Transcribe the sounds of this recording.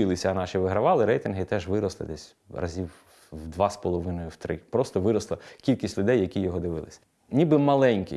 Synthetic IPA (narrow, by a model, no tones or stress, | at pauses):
ɪlˠɪsʲɐːnɑʃiʋɪɦɾɐʋɑlˠɪɾɛjt̪ɪnɦɪt̪ɛʒʋɪɾɔslˠɪ̰d̪ɛsʲ | rɐ̰zʲiw | wd̪ʋɑspɔlˠɔʋɪnɔjʊwt̪ɾɪ̰pɾɔst̪ɔʋɪɾɔslˠɐkʲilʲkʲisʲtʲlʲʊd̪ɛjːɐkʲijɔɦɔd̪ɪʋɪlˠɪ̰sʲɐ̥ | nʲibɪmɐlˠɛnʲkʲḭ